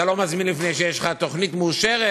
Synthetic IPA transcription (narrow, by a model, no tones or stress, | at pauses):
alo̞mazminlifnejʃejeʃlχat̪o̞χnit̪muːʃeʁe